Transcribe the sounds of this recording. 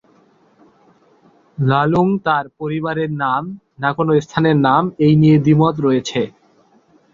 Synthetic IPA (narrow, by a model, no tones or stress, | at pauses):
laluŋt̪aɾpoɾibaɾeɾnam | nakonoest̪ʰaneɾnamejnied̪imot̪̬ɾɔjet͡ɕʰe